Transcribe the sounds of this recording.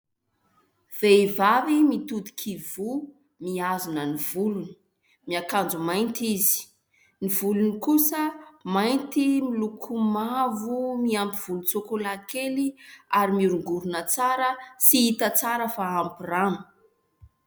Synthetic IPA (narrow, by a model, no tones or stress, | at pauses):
v̥eivavimit̪ud̪i̥kʰivu | miazunəniv̥uluni̥ | miakand͡zumajnt̪izi̥ | nivulunikusəmajnt̪imilukʰumavumiampiv̥ulut͡sokolakeliaɾimiɾuŋɡuɾunət͡saɾəsiit̪ət͡saɾəfaampiranu̥